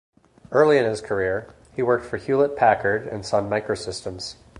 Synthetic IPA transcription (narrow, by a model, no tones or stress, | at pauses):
ɜ˞lˠiɨ̃nɪz̥kʰə˞ɪɹ | iwɜ˞k̚tfə˞hjʉlˠət̚pʰækʰə˞ɾɨ̰̃nsʌ̃nmaɪkɹoʊsɪstə̃mz̥